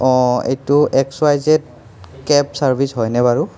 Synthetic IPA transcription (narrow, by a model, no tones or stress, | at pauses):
ɔ̃ḛjtʊʔɛkswajzɛt̚ | kɛpsaɹbʱisɦɔjnɛbaɹʊ